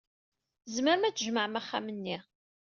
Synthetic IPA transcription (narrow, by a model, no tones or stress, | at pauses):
zməɾmæt͡sːʒməʕmæχːæ̰mənːi